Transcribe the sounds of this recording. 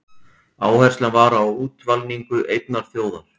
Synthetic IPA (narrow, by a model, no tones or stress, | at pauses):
aːwhɛjr̥stlanvaːɾaːwuːt̪valniŋkʏʔejt̪̚naɾ̥θjoːwða̰ɾ̥